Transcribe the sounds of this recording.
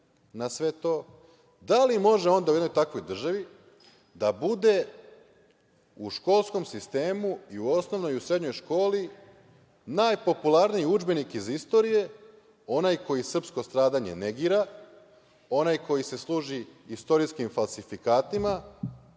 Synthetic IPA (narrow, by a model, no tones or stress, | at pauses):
nasʋe̞t̪o̞ː | d̪alimo̞ʒe̞o̞nd̪auenojt̪akʋo̞jd̪r̩ʒaʋi | d̪abud̪e̞ | uʃko̞lˠsko̞msist̪e̞ːmuiuo̞sno̞ʋno̞jiusɾe̞d̪ɲo̞jʃko̞ːli | naːjpo̞pulˠaɾniiud͡ʒbe̞nikizist̪o̞ɾije̞ | o̞najko̞jisr̩psko̞st̪ɾaːd̪aɲe̞̰ne̞ɡiːɾa | o̞najko̞jise̞slˠuːʒiist̪o̞ɾiskimfalˠsifikaːt̪ima